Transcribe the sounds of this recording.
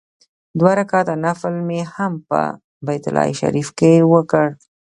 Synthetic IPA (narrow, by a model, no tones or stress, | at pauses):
d̪waɾakɑt̪anaflmehampə̰ | bajt̪ʊ̰lɑ̰ḭʃa̰ɾifkewəkəɽ